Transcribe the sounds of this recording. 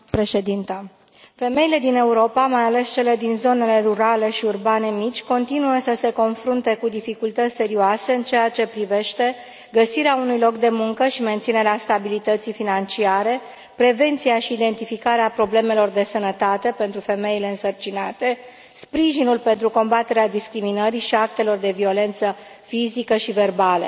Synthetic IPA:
pɾe̞ʃe̞d̪int̪a | fe̞me̞jile̞d̪ine̞uɾo̞pamajale̞st͡ʃe̞le̞d̪inzo̞ne̞le̞ruɾale̞ʃiurbane̞mit͡ʃʲko̞nt̪inuəsəse̞ko̞nfɾunt̪e̞kud̪ifikult̪ət̪sʲse̞ɾioase̞ɨnt͡ʃe̞at͡ʃe̞pɾive̞ʃt̪e̞ | ɡəsiɾeaunujlo̞k̚d̪e̞muŋkəʃiment̪sine̞ɾeast̪abilit̪ət̪sifinant͡ʃiaɾe̞ | pɾe̞ve̞nt̪sijaʃiːd̪e̞nt̪ifikaɾeapɾo̞ble̞me̞lo̞rd̪e̞sənət̪at̪e̞pe̞nt̪ɾufe̞me̞ile̞ɨnsərt͡ʃinat̪e̞ | spɾiʒinulpe̞nt̪ɾuko̞mbat̪e̞ɾead̪iskɾiminəɾiʃiak̚t̪e̞lo̞rd̪e̞vio̞le̞nt̪sə | fizikəʃive̞rbalə̰

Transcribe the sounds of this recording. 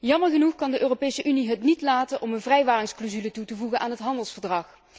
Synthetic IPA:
jɑməɹχənuχkɑndəʔøːropejsəʔyniɦətnitlaːtənʔɔmənvrɛjʋaːrɪŋsklozylətutəvuɣənʔaːnɦətɦɑndəlˠsfəɹdrɑχ

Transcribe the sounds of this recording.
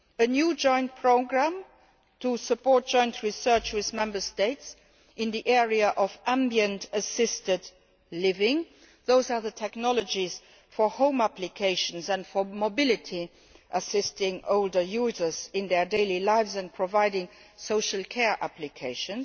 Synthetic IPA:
ənjuːd͡ʒɔ̃ɪ̃nt̚pʰɹoʊɡɹæ̃m | tʰusəpʰɔːt̚d̥ʒ̥ɔ̃ɪ̃ntʰɹisɜ˞t͡ʃwɪðmɛ̃mbə˞steɪts | ʔɪ̃nðiʔɛɹiaʔɔvʔæ̃mbjə̃ntəsɪstət | lɪvɪ̃ŋ | ðoʊzaːðətʰɛknɔlɔd͡ʒiz | fɔhõʊ̃mæplikʰeɪʃə̃nsæ̃ntfɔmobɪlɪtʰi | ʔəsɪstɪ̃ŋʔoʊldə˞juːzə˞zɪ̃nðɛdeɪlilaɪvzæ̃npʰɹɔvaɪdɪ̃ŋsoʊʃəlkʰɛɹʔæ̰plikʰeɪʃə̃ns

